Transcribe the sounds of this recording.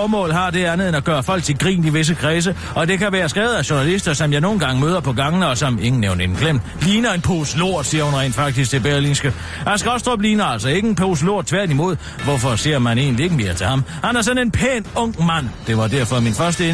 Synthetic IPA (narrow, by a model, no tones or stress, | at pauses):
mɔ̰̽ːlɦɑ̈d̥e̝ænð̩ˠenæɡ̥ɶːɐfɒ̽l̰ɡ̥̚t͡sʰeɡ̥ʁḭːniʋe̝s̬əkʰʁɛːs̬ə | ɒ̽d̥e̝kæʋæːɐsɡ̥ʁɛ̰ːʊð̩ˠæɕonælisd̥ɐsɒ̽mjɑ̈ɪno̝ːn̩ɡ̥ɑ̈ŋəmøːðˠɐpʰɒ̽ɡ̥ɑ̈ŋənəɒ̽sɒ̽me̝ŋn̩neʊnenɡ̥lem̰d̥ | liːnɐe̝npʰoslo̝ɐ̰d̥siːɐhunʁɛ̰ːnd̥fɑ̈ɡ̥̚d̥isɡ̥̚t͡sʰe̝b̥eɐlinsɡ̥ə | æsɡ̥ʁɒsd̥ʁɒb̥liːnɐælsɒ̽e̝ɡ̥əenpʰoːs̬lo̝ɐ̰d̥̚t͡sʰʋæɐ̰d̥imo̝ð̞̰ˠ | ʋɒfɒ̽se̝̰ɐ̰mæne̝̰ːnlie̝ɡ̥əme̝ːɐt͡sʰe̝hɑ̈mɑnɐsɒ̽ne̝npʰeːnɔ̽ŋ̰mæn̰d̥e̝ʋɑ̈d̥æɐ̰fɒ̽minfɶɐsd̥əe